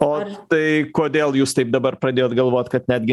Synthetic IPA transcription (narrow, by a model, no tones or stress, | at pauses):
ot̪ɐɪkoɔd̪ʲeːlˠjuːst̪ɐɪp̚d̪ɐbɐɾpɾɐd̪ʲeoːt̪ɡɐlˠʋoːt̪̚kɐt̪ʲnʲæd̪ʲɡʲɪ